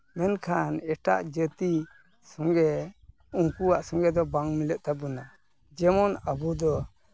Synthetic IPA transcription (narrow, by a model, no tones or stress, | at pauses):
mɛnkʰanɛʈa̰ʔd͡ʒət̪i | sɔŋɡɛ | uŋkuwaʔsɔ̃ŋɡɛd̪ɔbaŋmiləʔt̪aəna | d͡ʒɛmɔnəbud̪ɔ